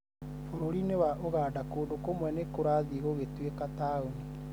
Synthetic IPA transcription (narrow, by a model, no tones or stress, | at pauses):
foɾoɾinewaʔoɣaːdakoːdokomwɛnekoɾaːðiɣoɣetwekataoni